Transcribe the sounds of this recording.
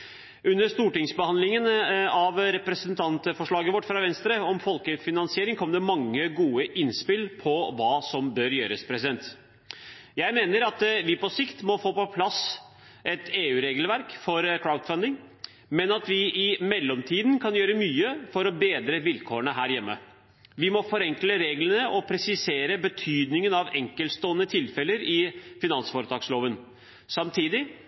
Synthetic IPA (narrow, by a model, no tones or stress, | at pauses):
ʉnːəɾʂt̪uːʈɪŋsbəhɑnlɪŋənɑʋɾɛpɾɛsənt̪ʰɑnt̪əfɔʂɭɑːɡəʋɔʈːfɾɑʋɛnst̪ɾəɔmfɔlkəfɪnɑnsɪeːɾɪŋkʰɔmːd̪ɛmɑŋːəɡuːəʔɪnspɪlpʰɔʋɑːsɔmbœɾjøːɾəspʰɾɛsɪd̪ɛnt̪ | jæɪmeːnəɾɑt̪ʋɪpɔsɪkt̪mɔfoːpɔpʰlɑs | ʔɛt̪eːʉːɾeːɡlʋæɾkfɔɾkʰɾaʊt̪fɑnd̪ɪŋ | mɛnɑt̪ʋɪʔɪmɛlːɔmt̪ʰiːd̪nkʰɑnjøːɾəmyːəfɔɾɔbeːd̪ɾəʋɪlkʰoːəɳəɦæːɾjɛmːə̰ | ʋɪmɔfɔɾɛŋkləɾeːɡlənəʔɔpʰɾɛsɪseːɾəbət̪ʰyːd̪nɪŋənɑʋɛŋkəlst̪oːənət̪ʰɪlfɛlːəɾɪfɪnɑnsfɔɾət̪ʰɑːksloːʋən | sɑmt̪ʰiːd̪ɪ